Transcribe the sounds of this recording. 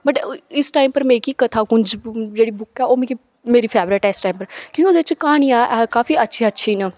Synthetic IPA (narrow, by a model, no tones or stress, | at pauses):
bəʈɪsʈaːimpəɾmẽːkiːkət̪ʰaːkʊɲd͡ʒd͡ʒeːɽiːbʊkːɛːoːmẽːki | meːɾiːpʰɛːbɾɪʈɛːɪsʈaːimpəɾkjõːkoːd̪eːɪt͡ʃkaːɽ̃iːãːʔɛkaːfiːətːʃʰiːətːʃʰiːnaː